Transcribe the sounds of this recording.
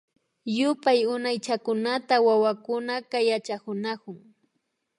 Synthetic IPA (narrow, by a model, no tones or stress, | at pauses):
jʊpajʊnajt͡ʃakʊnat̪awawakʊnakajat͡ʃakʊnakʊŋ